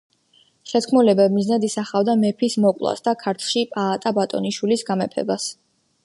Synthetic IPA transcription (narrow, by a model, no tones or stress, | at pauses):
ʃɛt̪kʰmɔlɛbɛmiznad̪isaχavd̪amɛpʰismɔkʼlˠa̰sd̪akʰaɾt̪ʰʃipʼaːt̪ʼabat̪ʼɔ̰niʃwilisɡamɛpʰɛ̰bas